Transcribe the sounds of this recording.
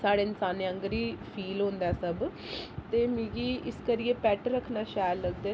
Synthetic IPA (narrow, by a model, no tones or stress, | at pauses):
saːɽeːɪnsaːniːə̃ŋɡɾiːpʰiːlɦõːnd̪aɛːsəb | t̪eːmiːɡiːɪskəɾieːpɛːʈɾəkʰnaːʃaːjlləɡd̪eː